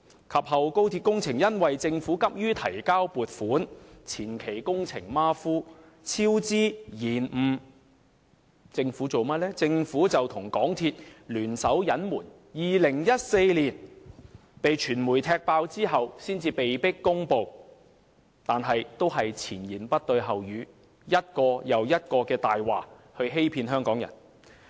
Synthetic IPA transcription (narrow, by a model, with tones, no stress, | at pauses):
kʰɐ˨p̚hɐ˨wko˥wt̪ʰiː˧t̚kʊ˥ŋt͡sʰɪ˨˩ŋjɐ˥nwɐ˨jt͡sɪ˧ŋfuː˨˥kɐ˥p̚jyː˥t̪ʰɐ˨˩jkaː˥wpuː˨t̚fuː˨˥nt͡sʰiː˨˩nkʰe˨˩jkʊ˥ŋt͡sʰɪ˨˩ŋmaː˥fuː˥ | t͡sʰiː˥wt͡siː˥jiː˨˩nm̩˨˩ | t͡sɪ˧ŋfuː˨˥t͡so˨wmɐ˥t̚lɛː˥t͡sɪ˧ŋfuː˨˥t͡sɐ˨wt̪ʰʊ˨˩ŋkɔː˨˥ŋt̪ʰiː˧t̚lyː˨˩nsɐ˨˥wjɐ˨˥nmuː˨˩n | jiː˨lɪ˨˩ŋjɐ˥t̚se˧jliː˨˩n | pe˨jt͡ʃʰyː˨˩nmuː˨˩jt̪ʰɛː˧k̚paː˧wt͡siː˥ɦɐ˨wsiː˥nt͡siː˧pe˨jpɪ˥kːʊ˥ŋpo˨˧w | t̪aː˨nɦɐ˨jt̪o˥wɦɐ˨jt͡sʰiː˨˩njiː˨˩npɐ˥t̚t̪ɵ˧ɥɦɐ˨wjyː˨˧ | jɐ˥t̚kɔː˧jɐ˨wjɐ˥t̚kɔː˧kɛː˧t̪aː˨jwaː˨ | hɵ˧ɥɦe˥jpʰiː˧nɦœː˥ŋkɔː˨˥ŋjɐ̰˨˩n